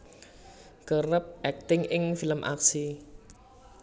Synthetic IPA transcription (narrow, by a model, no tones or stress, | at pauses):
ɡ̥ərəp̚ʔɛk̚t̪ɪŋɪŋfiləmʔa̰ksi